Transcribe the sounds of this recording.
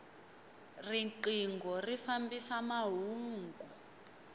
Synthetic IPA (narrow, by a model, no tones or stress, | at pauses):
riǃiŋɡɔrifambisamaɦuːŋɡu